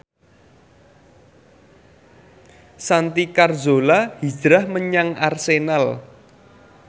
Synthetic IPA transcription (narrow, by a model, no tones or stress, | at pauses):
sant̪ikarzolahi̥d͡ʒ̥ɾahməɲaŋarsenal